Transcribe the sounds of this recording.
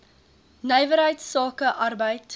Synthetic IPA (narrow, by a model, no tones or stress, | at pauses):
nəjvəɾɦəjtsɑːkəʔɐrbəjt